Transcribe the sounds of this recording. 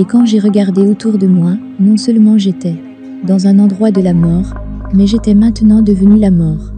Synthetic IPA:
ekɑ̃ʒeʁəɡaʁd̪eot̪uʁd̪əmwa | nɔ̃sœlmɑ̃ʒet̪ɛ | d̪ɑ̃zɛ̃nɑ̃d̪ʁwad̪əlamɔːʁmɛʒet̪ɛmɛ̃t̪ənɑ̃d̪əvənylamɔːʁ

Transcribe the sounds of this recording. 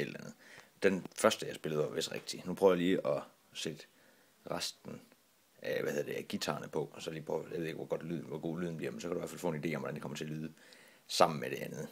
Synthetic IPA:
ed̥lɐlænð̩ˠd̥enfɶɐsd̥əjɑ̈ɪsb̥e̝ləð̞̩ˠɒʋesd̥ʁeɡ̥̚d̥inupʰʁœːʊjiliːʔɒ̽ | sed̥ | ʁɑsd̥n̩ | ʔæʋæheðˠɐd̥e̝æɡ̥it͡sʰɑ̈ːnəpʰɒ̽ɒsɒ̽liːpʰːjɑ̰ʋe̝ðˠeɡ̥ʋɒɡ̥ɒ̽d̥lyðˠn̩ʋɒɡ̥o̝̰ːlyːð̞ˠn̩bliɐmensɒ̽kæɾuiʋæɐfælfɔ̰̽enide̝̰ːɒmʋɒd̥ænd̥ikɒ̽mɐt͡sʰe̝ɐlyːðˠə | sɑ̈m̰n̩meɾ̥e̝ʔænð̞̩ˠ

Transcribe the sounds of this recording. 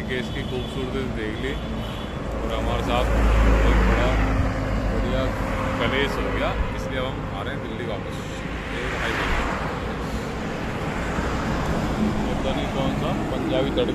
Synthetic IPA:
keːskikuːbsuːɾət̪et̪d̪eːkʰli | ɔɔːɾɦɐmaːɾesaːt̪ʰbɐbɐt̪bɐɽa | bɐɽijakɐleːsɦoːɡɐjaːɪsliɐbʱɐm | aːɾeɦɛ̃d̪ɪlːikaːkɐs | eːɦaːibɐːɐ | pɐt̪aːnikɔːnsaːmpɐɲd͡ʒaːbiːt̪ɐɽ

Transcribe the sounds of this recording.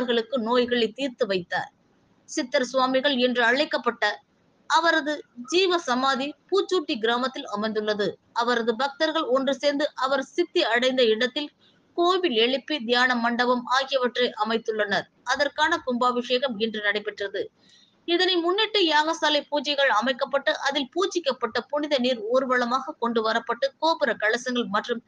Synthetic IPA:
ɾɣɐɭɯkːɯnoːjɣɐɭɐɪt̪iːɾt̪ɯʋɐɪt̪ːa̰ːɾ | sɪt̪ːɐɾsʊʋaːmɪɣɐɭɛndrɯɐɻɐɪkːɐpːɐʈːɐ | ɐʋɐɾɐðɯd͡ʒiːʋɐsɐmaːðipuːt͡ʃːuːʈːiɡɪɾaːmɐt̪ːɪlɐmɐɪnd̪ɯɭːɐðɯɐʋɐɾɐðɯbɐk̚t̪ɐɾɣɐɭɔndrɯseːɾnd̪ɯʔɐʋɐɾsɪt̪ːiɐɽɐɪnd̪ɐɪɽɐt̪ːɪl | koːʋɪlɛɭɯpːid̪jaːnɐmːɐɳɖɐbɐmaːɣɪjɐʋɐʈrɐɪʔɐmɐɪt̪ːɯɭːɐnɐɾ | ɐðɐrkaːnɐkʊmbaːbɪʂeːɣɐmɪndrɯnɐɽɐɪpːɛʈrɐðɯ | ɪðɐnɐɪmʊnːɛʈːɯjaːɣɐsaːlɐɪpuːt͡ʃɐɪɣɐɭɐmɐɪkːɐpːɐʈːɯʔɐðɪlpuːt͡ʃːɪkːɐpːɐʈːɐpʊnɪðɐniːɾoːɾɯʋɐɭɐmaːɣɐkɔɳɖɯʋɐɾɐpːɐʈːɯkoːpɯɾɐkɐɭɐsɐŋɡɐɭmɐʈrɯm

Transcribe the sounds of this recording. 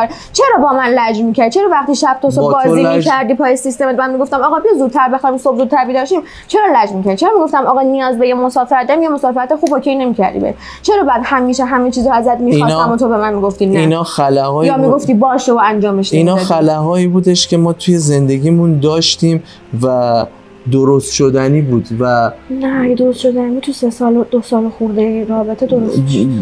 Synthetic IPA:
t͡ʃʰeɾɒːbɒːmænlæd͡ʒmiːcʰæɾd̪̚t͡ʃʰe̞ɾɒːvæχt̪iʃæb̚t̪ʰosobɒːzimikʰæɾd̪iːpʰɒːjesist̪emet̪̚mænmiɡo̞ft̪æmɒːɣɒːbiezuːd̪̚t̪ʰæɾbexɒːd̪imsobzud̪̚t̪ʰæɾbiːd̪ɒːʃiːm | t͡ʃʰe̞ɾɒːlæd͡ʒvmicʰæɾd̪it͡ʃeɾɒːmiɡo̞ft̪æmɒɣɒːnijɒːzbe̞jemo̞sɒːfeɾæt̪d̪imjemo̞sɒːfeɾæt̪exuːbhocʰejne̞miːcʰæ̰ɾd̪ḭbḛ | t͡ʃʰe̞ɾɒːbæːd̪hæmiːʃeɦæmet͡ʃʰiːzɔæzæd̪mixɒnæmːɔt̪ʰobe̞mænmiːɡoft̪iːninɒːxælæɦɒːijɒːmiɡoft̪iːbɒːʃeoænd͡ʒɒːmeʃinnɒːexælæɦɒːiːbuːd̪eʃcʰe̞mɒːt̪ʰuje̞ze̞nd̪e̞ɟʲiːmũnd̪ɒːʃt̪iːm | væ | d̪oɾost̪ʃod̪æniːbuːd̪vænæjed̪oɾost̪ʃo̞d̪ænibut̪ʰusesɒːld̪̥osɒːloxuɾd̪ejæiɾɒːbe̞t̪ʰed̪oɾost̪miʃʃ

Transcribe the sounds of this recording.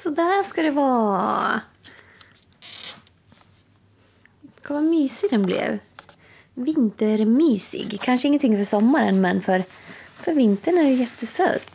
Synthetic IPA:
sɔd̪æʂkɑd̪ɛvɑː | kʰalvamyːsɪd̪ɛnblɛ̰v | vɪnt̪əɾmyːsɪ̰ɡkʰanʂəɪŋːənt̪ɪŋːfœʂɔmːaɾə̰nmɛnfœɾfœɾvɪnt̪əɳæɾjɛt̪ːəsø̰ːd̪̥

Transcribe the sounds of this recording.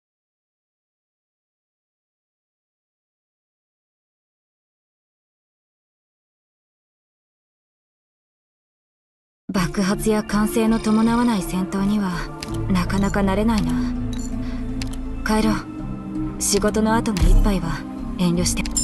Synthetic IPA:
bakɯ̟ɦat͡sɨjakãɰ̃se̞ːno̞t̪o̞mo̞naβanaisẽ̞nt̪o̞ːɲ̟iβanakanakanaɾe̞nainoβa | kaeɾo | ɕiɡo̞t̪o̞no̞at̪o̞noipːaiβa | ẽ̞nʲɾʲo̞ɕi̥t̪e

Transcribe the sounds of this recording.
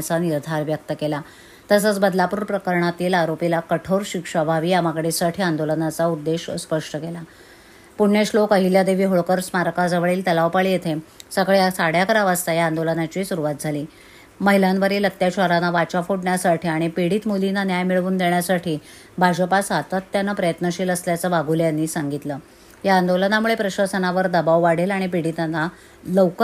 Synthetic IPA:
t͡saniɾd̪ʱaɾʋjək̚t̪əkela | t̪əsət͡sbəd̪lapuːɾpɾəkəɾɳat̪iːlaɾopilakəʈʰowɾɕikʂabʱaʋiːjamaɡɽesaʈʰiːand̪olənat͡saud̪ːeɕspəʂʈəkela | puɳɳeɕlokəɦiljad̪eʋiːɦoɭkəɾsmaɾkad͡zəʋəɭiːlt̪əlaʋpaɭijet̪ʰesəkɭejasaɽjakəɾaʋast̪ajaand̪olənat͡ɕiːsuɾuʋat̪̚d͡zʱaliː | məɦilanʋəɾiːlək̚t̪jaɕəɾanaʋat͡ɕafoɽɳjasaʈʰiːaɽ̃ipiɽiːt̪mulinanjajmiɭʋuːnd̪eɳjasaʈʰiː | bʱad͡ʑəpasat̪ət̪ːjanːapɾəjət̪nəɕiːləsljat͡səʋaɡʱuljanːiːsaŋɡit̪ləː | jaːnd̪olənamuɭepɾəɕəsənaʋəɾd̪əbaʋʋaɽ̤elaɽ̃ipiɽit̪anːa | ləwkə

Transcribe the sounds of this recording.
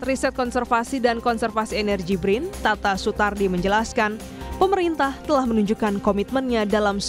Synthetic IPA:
risɛt̪̚kɔnsɛrfasidankɔnsɛrfasienɛrɡibɾɪnt̪at̪asut̪ardiməɲd͡ʒəlaskan | pəməɾint̪aht̪əlahmənuɲd͡ʒukankomit̪̚mənɲadalams

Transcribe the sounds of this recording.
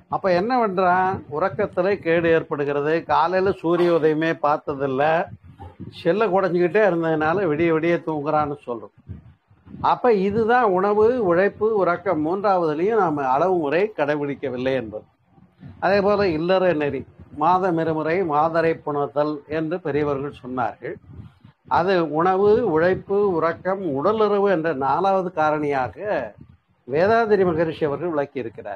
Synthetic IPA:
ɐpːoːɛnːɐʋɛɳrãːʊɾɐkːɐt̪ːɪlɐɪkeːɽɯeːɾpɐɽɯɣɪɾɐðɯkaːlɐlɐsuːɾɪjoːðɐjɯmeːpaːɾt̪ɐðɪlːɐ | sɛlːɐkʊɽɐɲd͡ʒɯkɪʈ̬ːeːɪɾɯnd̪ɐðɯnaːlɐʋɛɽɪjɐʋɛɽɪjeːt̪uːŋɡɪɾaːnːɯsɔlrʊ̃ | ɐpːoːɪðɯðãːʊɳɐʋɯʊɻɐɪpːɯʊɾɐkːɐmːuːndraːʋɐðɐlɪjʊ̃naːmɐɐɻɐʋɯmʊɾɐɪkɐɽɐɪʋɪɽɪkːɐʋɪlːɐɪɛndrɐðɯ | ʔɐðeːpoːlɐɪlːɐɾɐnɛɾimaːðɐmɛɾɯmɯɾɐɪmaːðɐɾɐɪpːʊɳɐðɐlɛndrɯpɛɾɪjɐʋɐɾɣɐɭsɔnːa̰ːɾɣɐɭ | ʔɐðɯʊɳɐʋɯʊɻɐɪpːɯʊɾɐkːɐmʊɽɐlɯɾɐʋɯɛndrɐnaːlaːʋɐðɯkaːɾɐɳɐjaːɣɐ | ʋeːðaːðɪɾimɐɣɐɾt͡ʃʂɪɐʋɐɾɣɐɭʋɪɭɐkːɪjɪɾɯkːɪra̰ːɾ

